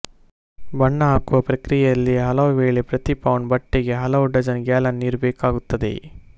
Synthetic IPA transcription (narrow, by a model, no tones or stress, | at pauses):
bɐɳːɐɦaːkuʋɐpɾɐkɾijejɐlːiɦɐlɐʋuʋeːɭepɾɐt̪ipɐʋɳɖbɐʈːeɡe̞ɦɐlɐʋuɖɐd͡ʒɐnɡaːlɐnniːɾbeːkaːɡut̪ːɐd̪ḛ